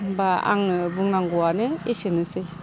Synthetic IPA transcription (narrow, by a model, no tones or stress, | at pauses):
baa̰ŋbuŋnaŋɡɔanɯesinɯsɯ